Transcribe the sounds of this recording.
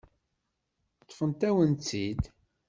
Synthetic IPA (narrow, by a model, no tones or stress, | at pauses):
t̪ˤːfənt̪æwənt͡sːid̪